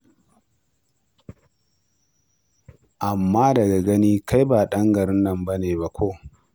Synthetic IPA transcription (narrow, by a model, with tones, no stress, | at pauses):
ʔa˨mːaː˦dɐ˨ɡa˨ɡɐ˦niː˦kʰa˦jbaː˨ɗɐ˦ŋɡɐ˨ɾɪ˦nːɐ˨mbɐ˦neː˨ba˦kʷʰoː˦